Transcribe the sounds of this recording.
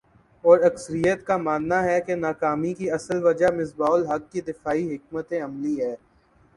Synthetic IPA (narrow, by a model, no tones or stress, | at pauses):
ɔːɾɐksəɾijət̪kamaːnːaɦɛkenaːkaːmikiɐsəlʋɐd͡ʒamɪsbaːlɦɐkːid̪ɪfaːiɦɪk̚mət̪ẽɐmliɦɛː